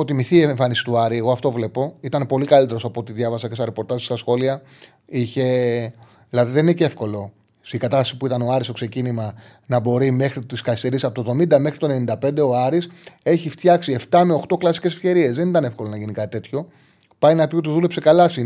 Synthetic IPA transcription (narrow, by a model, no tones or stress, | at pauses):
o̞t̪imiθiːeɱfɐnisi̥t̪uɐɾieɣo̞ɐft̪o̞vle̞po̞it̪ɐnpo̞likɐlit̪eɾo̞sɐpot̪iðʝɐvɐsɐcest̪ɐɾepo̞ɾt̪ɐzst̪ɐsxo̞liɐ | içe̞ | lɐðiðenineceefko̞lo̞ | sikɐt̪ɐst̪ɐ̥sipuit̪ɐnoɐɾisto̞kse̞cinimɐ | nɐbo̞ɾime̞xɾit̪iskɐist̪e̞ɾisɐpot̪ovðo̞mind̪ɐme̞xɾit̪o̞nnind̪ɐpe̞nd̪e̞o̞ɐɾiseçift̪çɐksie̞ft̪ɐme̞o̞xt̪o̞klɐsi̥ce̞se̞fce̞ɾie̞zðe̞nit̪ɐne̞fko̞lo̞nɐʝinikɐt̪it̪e̞t̪ço̞ | pɐjnɐpiot̪uzðule̞psekɐlɐsi